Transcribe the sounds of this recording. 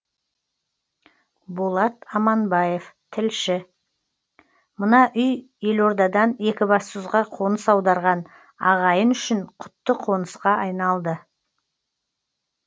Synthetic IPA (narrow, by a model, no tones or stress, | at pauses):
bolˠɑt̪ɑmɑnbɑje̞ft̪ʰɪlʃɪ | mənɑʔʏjje̞lo̞ɾd̪ɑd̪ɑne̞kʲɪbɑssʊzʁɑqʰo̞nəsɑwd̪ɑɾʁɑn | ɑ̰ʁɑjənʏʃɪɴqʰʊ̥t̪ːəqʰo̞nəsqɑʔɑjnɑlˠd̪ə